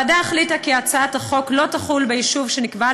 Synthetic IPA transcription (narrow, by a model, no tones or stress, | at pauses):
adaeχlitakiat͡saataχo̞klo̞taχulbejiʃuvʃenikba